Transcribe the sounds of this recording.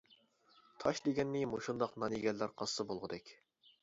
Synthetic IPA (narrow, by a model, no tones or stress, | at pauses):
t̪ʰɑʃd̪eɡʲɛnːɪmoʃund̪ɑqnɑneɡʲɛlːæɾqʰɑsːɨbolˠʁəd̪ɛkʲ